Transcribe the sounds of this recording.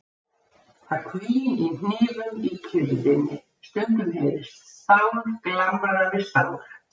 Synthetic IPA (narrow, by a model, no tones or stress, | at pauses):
θaɾ̥kʰviːin̥nɪːðʏmicʰʏɾðɪnːɪ | st̪œnt̪ʏmhɛjðɪst̪θawɾklamaðavɪ̥saːwɾ